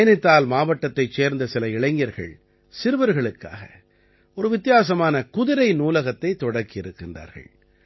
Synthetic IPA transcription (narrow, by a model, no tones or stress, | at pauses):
jɐnɪt̪ːaːlmaːʋɐʈːɐt̪ːɐɪt͡ʃːeːɾnd̪ɐsɪlɐɪɭɐɪŋɡɪjɐɾɣɐ̰ɭ | sɪɾɯʋɐɾɣɐɭɯkːa̰ːɣɐ̰ | ɔɾɯʋɪt̪ːɪjaːs̬ɐmaːnɐkʊðɪɾɐɪnuːlɐɣɐt̪ːɐɪt̪ːɔɽɐɾkːɪjɪɾɯkːɪndra̰ːɾɣɐ̰ɭ